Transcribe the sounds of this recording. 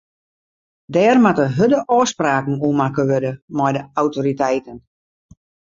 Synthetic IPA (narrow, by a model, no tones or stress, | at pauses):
dɛːrmatəɦødəʔɔːspraːkn̩uəmakəʋødəmɔjdəawtoɾitɛjtən